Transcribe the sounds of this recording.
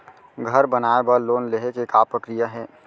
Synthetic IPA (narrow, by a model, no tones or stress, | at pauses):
ɡʱɐɾbənaːebəɾloːnleɦekekaːpɾəkɾijaɦɛː